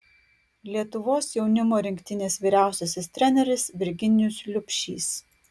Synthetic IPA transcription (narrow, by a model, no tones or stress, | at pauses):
lʲiɛt̪ʊʋoːsjɛʊnʲɪmoːɾʲɪŋʲkʲt̪ʲɪnʲeːsʋʲiːɾʲæˑʊsʲoːsʲɪst̪ʲɾʲɛnʲɛɾʲɪsʋʲɪɾʲɡʲɪnʲɪjʊslʲʊpʲʃʲḭːs